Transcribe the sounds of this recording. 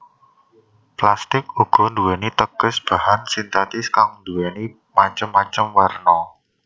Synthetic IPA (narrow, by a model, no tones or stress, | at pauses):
plast̪ɪkuɡ̥ɔ̤nd̪uwɛnit̪əɡ̥ʊ̤sb̥ahansint̪at̪ɪskaŋnd̪uwɛni | maɲt͡ʃəmːaɲt͡ʃəmwərnɔ